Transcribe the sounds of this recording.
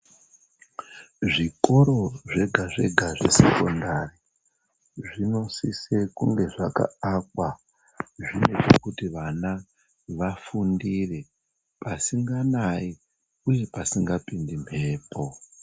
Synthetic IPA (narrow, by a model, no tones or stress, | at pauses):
ʐiko̞ɾo̞ʐe̞ɡʱaʐe̞ɡʱaʐḛse̞ko̞ndari | ʐino̞sisekuŋɡe̞ʐaka̰akwa | ʐine̞t͡ʃo̞kutiʋana | ʋafundire̞ | pasiŋɡanai | uje̞pasiŋɡapindim̤e̞ːpo